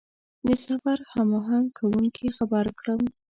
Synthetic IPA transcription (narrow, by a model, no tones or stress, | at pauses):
d̪əsafaɾhamoɦaŋkʰawuŋkʰixabaɾkɽəm